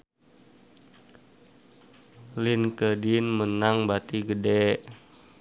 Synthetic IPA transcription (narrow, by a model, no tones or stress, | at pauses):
linkədinmənaŋbat̪iɡədɛʔ